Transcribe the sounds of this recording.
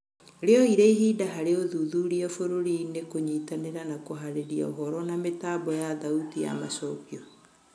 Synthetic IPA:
ɾeɔiɾeiɦiːdaɦaɾeoðuðuɾiɔfoɾoɾinekoɲiːtaneɾanakoɦaɾeɾia̰oɦɔɾɔnametaːbɔjaðautija̰masɔːkiɔ

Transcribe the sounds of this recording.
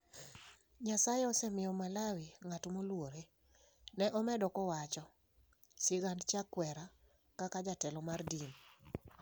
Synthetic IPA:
ɲasajeɔsɛmɪjɔmalawiŋatomolwoɾe | nɛʔɔmɛdɔkɔwat͡ʃɔ | sɪɡandt͡ʃakwɛɾa | kakad͡ʒatɛlɔmardin

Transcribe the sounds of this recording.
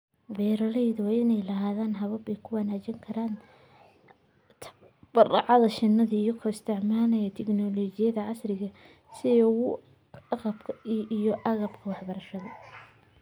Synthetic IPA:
bɛːɾɐlɛjðʊwɑːɪnɛjlɐɦaːðaːnɦɐβɐbɛjkʰʊwɐnaːt͡ʃɐŋkʰɐɾaːn | t̪ʰ | b̥ɐrɑʕɑðɐʃɪnːɐðijɔkʰɔɪst̪ʰɪʕmaːnɐjɐt̪ʰɛɡnɔlɔːt͡ʃɪjɐðɐʕɑsrɪɣɐ | sɪɔɣʊ | qɐbkʰijɔʔɐɣɐbkʰɐwɑħbɐɾɐʃɐðɐ

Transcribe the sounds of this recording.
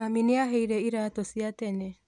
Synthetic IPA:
aminiaɦeiɾɛiɾatosiatɛnɛ

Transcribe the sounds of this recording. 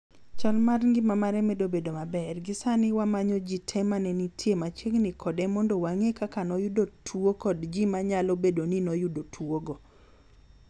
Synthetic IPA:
t͡ʃalmarŋɡɪmamaɾɛmɛdobedomabɛrɡɪsanɪwamaɲɔd͡ʒitʰɛmanɛnitʰjemat͡ʃeɡnɪkʰɔdɛmɔndowaŋekakanɔjʊdotʰuokɔdd͡ʒimaɲalobedoninɔjʊdotʰwoɡo

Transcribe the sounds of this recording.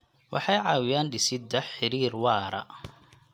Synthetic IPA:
wʔɑ̰ħɑjʕɑːwɪjaːnɖɪsɪd̪ɐħɪɾiːrwɑːɾɐ̰

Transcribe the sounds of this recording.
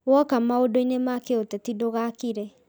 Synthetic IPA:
wɔkamaodoinemakeotɛtidoɣakiɾɛ

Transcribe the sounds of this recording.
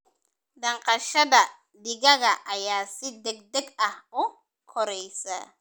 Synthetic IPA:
d̪ɐɴqɑʃɐðɐ | dɪɣɐɣɐʔɐjaːsɪd̪ɛɡ̚d̪ɛɡɐhʊ | kʰɔɾɛjsɐ̰

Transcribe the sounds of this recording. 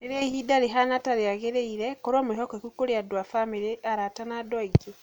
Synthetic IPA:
eɾehidaɾeɦanataɾeaɣeɾeiɾɛkɔɾwɔmoeɦɔkɔekukoɾeadwafameɾeʔaɾatanadɔiɡe

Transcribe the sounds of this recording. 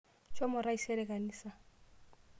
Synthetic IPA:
t͡ʃʼomʊraisɛlekʼaniːsa

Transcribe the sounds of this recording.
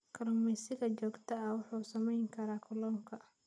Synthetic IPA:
kʰɐɾɔmɛsɪɣɐt͡ʃɔːɡt̪ʰɐɐwʊħuːsɐmɛjŋkʰɐɾaːkʰʊlɔːŋkʰɐ

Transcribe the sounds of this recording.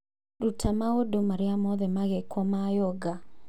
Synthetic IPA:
ɾutʰamaodomaɾɪamɔðɛmaɣɛkwɔmajɔɡa

